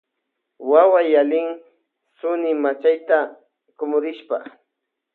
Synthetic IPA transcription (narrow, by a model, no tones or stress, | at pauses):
wawajalɪŋ | sʊnɪmat͡ʃajt̪a | kʊmʊɾɪʃpa